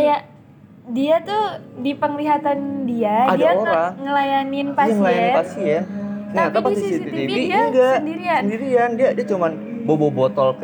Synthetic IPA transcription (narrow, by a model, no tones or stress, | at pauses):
ajaʔ | diat̪udipəŋliɦat̪andiaadiaaot̪ɾaŋəlajanɪnpaaŋəlajanpasijakəɲat̪apasiisisiit̪iibiiɡaŋɡandiɾiaəndiɾiandiadiat͡ʃuman | bobobɔt̪ɔlk